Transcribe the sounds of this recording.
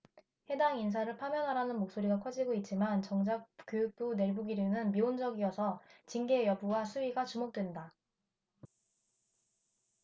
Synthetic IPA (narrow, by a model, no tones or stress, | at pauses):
he̞daŋins̬ʰaɾɯɭpʰamjʌnɦaɾanɯnmok̚s͈oɾiɡakʰʌd͡ʑiɡoit̚t͡ɕ͈imant͡ɕʌŋd͡ʑak̚k͈jojuk̚p͈une̞ɭɡuɡiɾjonɯnmiond͡ʑʌɡijʌsʰʌt͡ɕiŋɡe̞jʌbuwasʰuɥiɡat͡ɕumok̚t͈we̞nda